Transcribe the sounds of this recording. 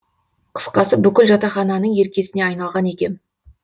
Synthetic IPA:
qʰə̥sqɑsəbʏkʲɪlʒɑt̪ɑχɑnɑnəɴe̞ɾkʲe̞sɪne̞ɑjnɑlˠʁɑne̞kʲe̞m

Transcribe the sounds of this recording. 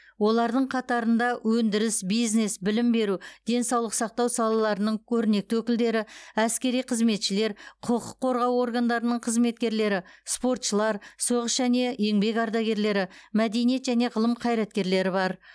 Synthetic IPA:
wo̞lˠɑɾd̪əɴqʰɑt̪ɑɾənd̪ɑwɵnd̪ɪɾɪsbijzne̞sbɪlɪmbe̞ɾud̪̥e̞nsɑwlˠəqsɑq̚t̪ɑwsɑlˠɑlˠɑɾənəɴkʲʰɵɾɪne̞k̚t̪ɪwɵkʲɪld̪e̞ɾɪæskʲe̞ɾijqʰəzme̞t̪ʃɪle̞ɾqʰʊqʰʊqʰːo̞ɾʁɑwo̞ɾɡand̪ɑɾənəɴqʰəzme̞t̪̚kʲe̞ɾle̞ɾɪspo̞ɾt̪ʃəlˠɑɾso̞ʁəsʒæne̞je̞ŋbe̞kɑɾd̪ɑɡʲe̞ɾle̞ɾɪmæd̪e̞nije̞t̪ʒæne̞ʁəlˠəmqʰɑjɾɑt̪̚kʲe̞ɾle̞ɾɪbɑɾ

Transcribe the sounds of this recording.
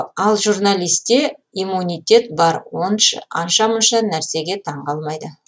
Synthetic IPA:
ɑlˠʒurnalʲijst̪ːe̞ijmːunʲijt̪ʲe̞t̪bɑɾwo̞nʃə̰ɑ̰nʃɑmənʃɑnæɾse̞ɡʲe̞t̪ʰɑɴqɑlˠmɑjd̪ə

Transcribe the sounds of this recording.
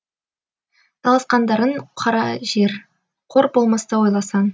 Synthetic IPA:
d̪ʰɑlˠɑsqɑnd̪ɑɾəɴqʰɑɾɑʒe̞ɾ | qʰo̞ɾbolˠmɑst̪ɑwo̞jlˠɑsɑn

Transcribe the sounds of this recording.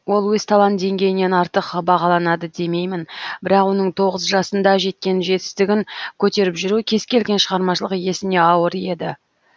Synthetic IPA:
wo̞lˠwɵzt̪ʰɑlˠɑnd̪e̞ŋɡʲe̞jɪne̞nɑɾt̪əqbɑʁɑlˠɑnɑd̪əd̪e̞me̞jmɪnbɪɾɑqwo̞nəɴt̪ʰo̞ʁəzʒɑsənd̪ɑʒe̞t̪̚kʲe̞nʒe̞t̪ɪzt̪ɪɡʲɪŋkʲʰɵt̪e̞ɾɪpʒʏɾukʲʰe̞zkʲe̞lɡʲe̞nʃəʁɑɾmɑʃəlˠəqje̞sɪne̞ɑwəɾe̞d̪ɪ

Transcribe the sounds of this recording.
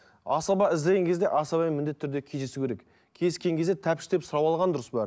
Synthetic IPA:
ɑsɑbɑɪzd̪eɡʲeŋkʰʲe̞zd̪e̞ʔɑsɑbɑjnmɪnd̪e̞t̪ʰːʏɾd̪e̞kʲʰejd̪esukʲʰeɾek | kʲʰe̞skʲe̞ŋkʲʰe̞zd̪et̪ʰæpʃɪ̥d̪epsʊɾɑwɑlˠʁɑnd̪ʊɾəsbɑɾ

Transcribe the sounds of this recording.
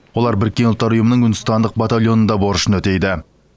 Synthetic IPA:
wo̞lˠɑɾbɪɾɪkʲːe̞nʊlˠt̪ːɑɾʊjəmənəŋjʏnɪst̪ɑnd̪əq̚bɑt̪alʲˠjo̞nənd̪ɑboɾəʃənwɵt̪e̞jd̪ɪ

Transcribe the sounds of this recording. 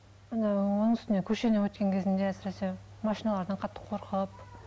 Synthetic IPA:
nɑwonəɴʏst̪ɪnekʲʰɵʃe̞nɪwɵt̪̚kʲe̞ŋkʲʰe̞zɪnd̪e̞æsɪɾese̞ | mɑʃinɑlˠɑɾd̪ɑɴqʰɑt̪ʰːə̥qʰo̞ɾqʰəp

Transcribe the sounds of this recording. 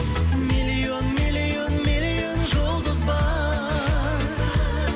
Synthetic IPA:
milio̞nmilionmilijonʒʊlˠd̪ʊzbɑ

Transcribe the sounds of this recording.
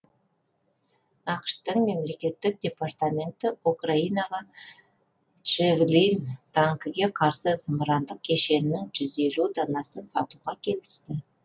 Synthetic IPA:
ɑqəʃt̪əɴme̞mle̞kʲe̞t̪ːɪk̚d̪ʲe̞part̪amʲe̞nt̪ɪukraijnɑʁɑ | ʒevlint̪ʰaŋkəɡʲe̞qʰɑɾsəzəmɾɑnd̪əq̚kʲʰe̞ʃe̞nɪnːɪŋʒʏze̞lud̪ɑnɑsənsɑt̪uʁɑkʲʰe̞lɪst̪ɪ

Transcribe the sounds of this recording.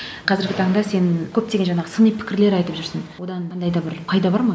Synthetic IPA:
qʰɑzɪɾɡʲɪt̪ʰɑɴd̪ɑse̞nkʲʰɵp̚t̪eɡʲenʒɑɴɑʁəsənijpʰɪ̥kʲɪɾle̞ɾɑjt̪əpʒʏɾsənwo̞d̪ɑnɑnd̪ɑjd̪ɑbɪɾpʰɑjd̪ɑbɑɾmɑ

